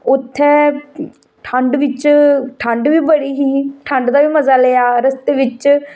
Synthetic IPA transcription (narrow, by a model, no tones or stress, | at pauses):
ʊt̪ʰːɛː | ʈʰəɳɖʋɪt͡ʃʈʰəɳɖʋiːbəɽiːɦiːʈʰəɳɖd̪aːʋiːməzaːleːaːɾəst̪eːʋɪt͡ʃ